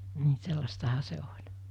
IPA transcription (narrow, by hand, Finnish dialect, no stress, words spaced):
ni̥ selːɑstɑhɑ se olʲ